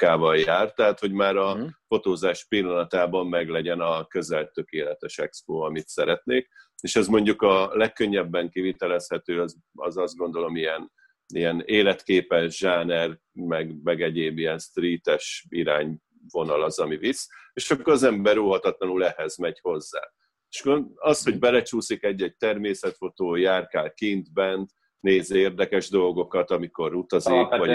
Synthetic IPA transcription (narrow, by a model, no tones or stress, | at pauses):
kaːvɒljaːrt̪ːɛɦat̪ho̞ɟmaːɾɒfo̞t̪oːzaːʃpilːɒnɒt̪aːbɒmːɛɡlɛɟɛnɒkø̞zɛlt̪økeːlɛt̪ɛʃɛkspoːɒmit̪sɛɾɛt̪neːkeːʃɛzmo̞ɲɟukɒlɛkːø̞ɲːɛbːɛŋkivit̪ɛlɛshɛt̪øːɒz | ɒ̰zɒzd̪ɡo̞nd̪o̞lo̞mijɛn | ijɛneːlɛt̪keːpɛʒʒaːnɛr | mɛɡmɛɡɛɟeːbijɛnst̪riːt̪ɛʃiɾaːɲ | vo̞nɒlɒzɒmiviseːʃɒkːoɾɒzɛmbɛɾuɦɒt̪ɒt̪lɒnulɛhɛzmɛɟho̞zːa̰ː | eʃɡɒsho̞ɟ̚bɛlɛt͡ʃuːsikɛɟːɛɟ̚t̪ɛrmeːsɛt̪fo̞t̪oːjaːrkaːlkind̪bɛnt̪ | neːzeːrd̪ɛkɛʒd̪o̞lɡo̞kɒt̪ɒmiko̞ɾut̪ɒzikɒ